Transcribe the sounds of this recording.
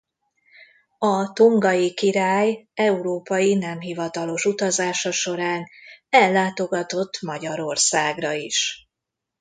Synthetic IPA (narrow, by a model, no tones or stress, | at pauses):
ɒt̪uŋɡɒjikiɾaːjɛuɾoːpɒjinɛmɦivɒt̪ɒlo̞ʃut̪ɒzaːʃɒʃo̞ɾaːnɛlːaːt̪o̞ɡɒt̪o̞t̪ːmɒɟɒɾo̞rsaːɡrɒiʃ